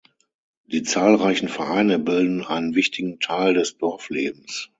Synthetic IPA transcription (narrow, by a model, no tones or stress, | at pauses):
d̥iːt͡saːlʁaɪçn̩fɛɐʔaɪnəbɪldn̩ʔaɪnənvɪçtʰɪɡŋ̩tʰaɪldɛsd̥ɔɐfleːb̚m̩s